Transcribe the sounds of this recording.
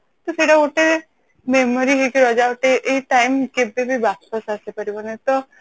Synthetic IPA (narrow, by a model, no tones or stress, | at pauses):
t̪ɔseʈaoʈe | memoɾiɦɔkeɾɔd͡ʒaoʈeʔejʈajmkebebibaspasasepaɾibɔnet̪ɔ